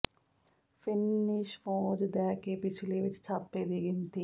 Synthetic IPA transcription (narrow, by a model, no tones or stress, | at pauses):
fɪnɪʃfõːd͡ʒd̪ɛːkeːpɪt͡ʃʰleːʋɪt͡ʃt͡ʃʰaːpːeːd̪iːɡɪnt̪iː